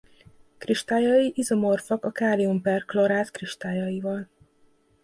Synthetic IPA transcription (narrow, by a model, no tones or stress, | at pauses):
kriʃt̪aːjɒjiʔizomorfɒkɒkaːliumpɛrkloɾaːt̪kriʃt̪aːjɒjivɒl